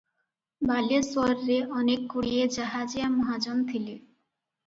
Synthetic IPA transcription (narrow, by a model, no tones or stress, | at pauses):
balesɔɾːeʔɔnekːoɽied͡ʑaɦad͡ʑijamɔɦad͡ʑɔnt̪ʰile